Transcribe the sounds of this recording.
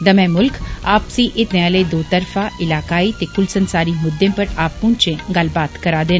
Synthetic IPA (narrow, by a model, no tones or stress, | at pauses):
d̪ɐmẽmʊlkaːpsĩʔɪt̪nãled̪oːt̪əɾfaʔɪlaːkaːiːt̪ekʊlsənsaːɾiːmʊd̪ːẽmpəʈaːpːʊ̃ɳt͡ʃẽɡalbaːt̪kɐɾad̪eːn